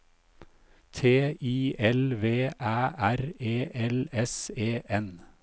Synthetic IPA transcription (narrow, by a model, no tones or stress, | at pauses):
t̪ʰeːiːɛlʋeːʔæːʔæɾeːʔɛlɛseːʔɛn